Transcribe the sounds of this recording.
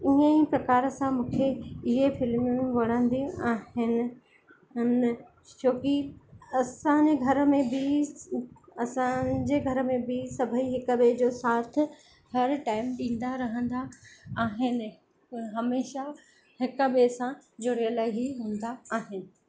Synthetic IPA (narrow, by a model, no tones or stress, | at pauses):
ɪɦə̃ipɾɐkaːɾəsãmũːkʰeɪɦefɪlm̃ʋɐɽə̃nd̪iaːɦɪnɪ̆ | ʊn | t͡ɕʰoːkiɐsãd͡ʑeɡʱɐɾəmẽbi | ɐsãd͡ʑeːɡʱɐɾə̆mẽbisɐbʱəiɦɪkəɓed͡ʑoːsaːt̪ʰɪ̆ | hɐɾʈaːɪmɗĩːn̆d̪aɾɐɦə̃nd̪aːɦɪnɪ̆ | ɦɐmeːʃa | hɪkɓesãd͡ʑʊɽijəlaːɪɦiɦũːn̆d̪aːɦɪnɪ̆